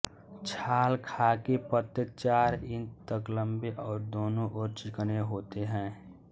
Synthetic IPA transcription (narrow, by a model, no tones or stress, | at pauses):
t͡ʃʰaːlkʰaːkepət̪ət͡ʃaːɾɪ̃nt̪t̪əklə̃mbeʔɔːɾd̪oːnõʔɔːɾt͡ʃɪkneɦoːt̪eɦɛ̃ː